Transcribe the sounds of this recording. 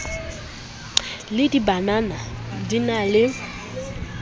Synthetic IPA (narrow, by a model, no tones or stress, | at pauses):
lɪdibananadinalɪ